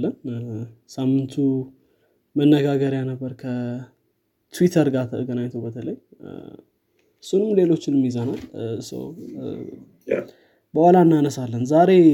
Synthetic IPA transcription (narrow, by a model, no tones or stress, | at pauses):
lːən | samːɨnt̪ʰu | mənːəɡaɡəɾjanəbːəɾkʰə | t̪uwit̪ʰəɾɡat̪ʰəɡənaɲt̪ʰəwbət̪ʰələj | ɨsːunɨmːle̞lo̞t͡ʃːɪnmːizənalsə̰w | b̥əwalaɨnːanəsalːənzaɾe̞